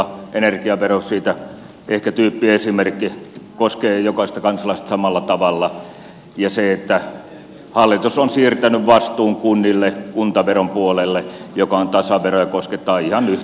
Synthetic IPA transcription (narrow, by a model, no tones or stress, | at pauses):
ʔenerkiɑʋerosiːt̪æ | ʔehkæt̪yːpːiesimerkːikoskeːjokɑsest̪ɑkɑnsɑlɑˑist̪ɑsɑmɑlːɑt̪ɑʋɑlːɑ | jɑseet̪ːæ | hɑlːit̪usonsiːrt̪ænyʋʋɑst̪uːŋkunːilːekunt̪ɑʋerompuolelːejokɑont̪ɑsɑʋerojɑkosket̪ːˑɑːihɑnyh